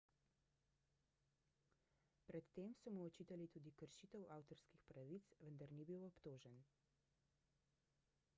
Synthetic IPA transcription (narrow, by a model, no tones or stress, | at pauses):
pɾɛt̪ːeːmsɔmuɔt͡ʃiːt̪alit̪uːd̪ikəɾʃit̪əwʔaːwt̪ɔɾskixpɾaʋit̪sʋənd̪aɾnibiwɔpt̪oːʒɛn